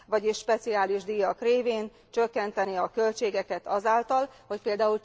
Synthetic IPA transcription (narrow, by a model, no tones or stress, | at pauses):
vɒɟiʃʃpɛt̪siaːliʒd̪ijɒkreːveːn | t͡ʃø̞kːɛnt̪ɛniɒkølt͡ʃeːɡɛkɛt̪ɒzaːlt̪ɒlho̞c̚peːld̪aːul